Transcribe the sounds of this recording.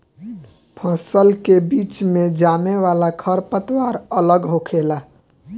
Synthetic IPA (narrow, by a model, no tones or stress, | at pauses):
pʰə̃səlkebiːt͡ʃmẽd͡ʒaːneʋaːlakʰəɾpət̪waːɾələɡɦokʰeːlaː